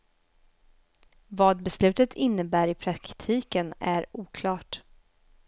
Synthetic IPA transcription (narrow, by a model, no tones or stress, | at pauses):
vɑːd̪bɛslʉ̟ːt̪ət̪ʰɪnːəbæːɾɪpʰɾakt̪ʰiːkənæɾuːkʰlɑːʈ